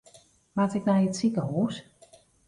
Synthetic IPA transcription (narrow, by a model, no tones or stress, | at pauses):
matɪk̚najətsikəhuːs